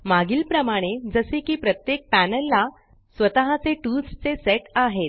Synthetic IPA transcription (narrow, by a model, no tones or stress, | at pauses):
maɡiːlpɾəmaɽ̃ed͡zəsekiːpɾət̪jek̚pænəlːa | sʋət̪aɦãt͡seʈust͡seseʈaɦet̪̚